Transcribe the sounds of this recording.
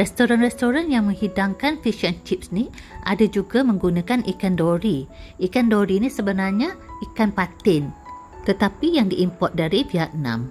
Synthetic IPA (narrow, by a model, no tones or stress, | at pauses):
rɛst̪oɾanrɛst̪oɾanjaŋmə̃ŋhidaŋkanfiʃənt͡ʃip̚sni | ʔadad͡ʒuɡamə̃ŋɡunãkanʔikandoɾiʔikandoɾinĩsəbənarɲãikanpat̪ɪn | t̪ət̪apijaŋdiʔimpɔt̪̚daɾifiat̪̚nã̰m